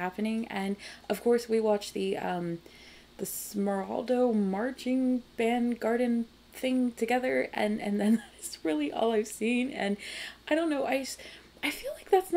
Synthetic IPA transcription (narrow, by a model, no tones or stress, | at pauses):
æpɨnɪ̃ŋɨ̃nʌv̥kʰɔɹswiwɑt͡ʃðɨʌ̃m | ðɨsmə˞ɑ̰lˠdoʊmɑɹt͡ʃɪ̃ŋb̥æ̃nɡɑɹdⁿn̩ | θɪ̃ŋtʰɨɡɛðə˞ɨ̰̃nɨ̰̃nðɨ̃nðæɾɪz̥ɹɪlˠiʔɔ̰lˠaɪv̥sĩnɨ̃naɪɾõʊ̃nːoʊʔaɪs | ʔaɪfilaɪk̚ðætsn